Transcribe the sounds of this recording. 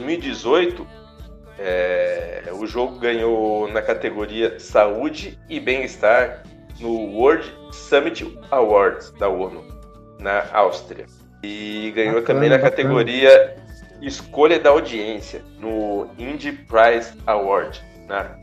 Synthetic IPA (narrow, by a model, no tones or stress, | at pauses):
ojzmiwid͡ʒizojt̪ʊ | ɛ | ʊʒoɡʊɡɐ̃ɲonɐkat̪eɡoɾiɐsaud͡ʒɪɪbẽj̃ist̪aɾ | nʊwoɾd͡ʒsɐ̃mit͡ʃɪawaɾd͡ʒsd̪ɐonʊ | nɐʔawst̪ɾḭɐ̰ | ɪɡɐ̃ɲot̪ɐ̃mbẽj̃nɐkkat̪eɡoɾiɐ | ɪskoʎɐd̪ɐawd͡ʒiẽsjɐnʊĩd͡ʒɪpɾajzawaɾd͡ʒɪ | nɐ